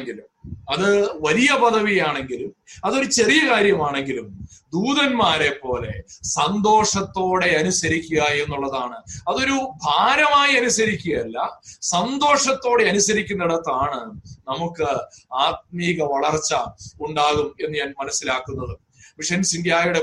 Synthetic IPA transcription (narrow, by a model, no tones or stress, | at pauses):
ŋɡilumɐðɨʋɐlijɐpɐðɐʋijaːɳe̞ŋɡilumɐðo̞ɾut͡ɕe̞rijɐkaːɾjɐmaːɳe̞ŋɡilumd̪uːðɐnmaːɾepːo̞ːle̞sɐnd̪o̞ːʂɐt̪ːo̞ːɽe̞ɐnusɐɾikʲːuɣɐe̞nːuɭːɐðaːɳɨɐðo̞ɾubʱaːɾɐmaːjiɐnusɐɾikʲːuɣɐjɐlːɐsɐnd̪o̞ːʂɐt̪ːo̞ːɽe̞ɐnusɐɾikʲːunːeɽɐt̪ːaːɳɨnɐmukːɨaːt̪̚miːɣɐʋɐɭɐrt͡ɕːɐuɳɖaːɣume̞nːɨɲaːnmɐnɐsːilaːkːunːɐðɨ | ʋiʂɐnsind̪jaːjuɽe